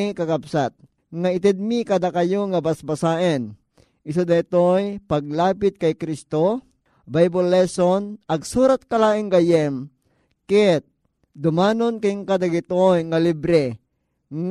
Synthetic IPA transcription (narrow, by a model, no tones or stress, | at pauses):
kakapsat̪̚ | ŋaɪt̪ɛd̪̚mikad̪akajoŋabasbasaːʔɛn | ʔɪs̬ud̪ɐɪt̪ojpaɡ̚laːpɪt̪̚kajkɾist̪o | bajbolːɛsonʔɐɡsuːɾat̪̚kalaːʔɪŋɡajɛm | kɛt̪̚ | d̪ʊmaːnonkɪŋkad̪aɡɪt̪ojŋalibɾɛ | ŋ